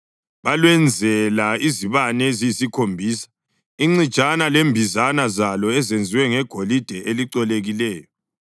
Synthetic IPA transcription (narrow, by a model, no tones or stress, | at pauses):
βalwɛnd͡zʱɛlaiziβanɛziisikʰombʱiːsḁ | iŋ͡ǀid̥t͡ʃʼanalembʱizanazalɔɛzend͡zʱiwɛŋɛɡ̥ʱolid̥ʱɛʔeliǀɔleɣilɛːjɔ